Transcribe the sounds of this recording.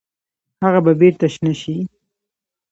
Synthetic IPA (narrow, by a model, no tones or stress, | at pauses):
haɣababeɾt̪aʃnaʃi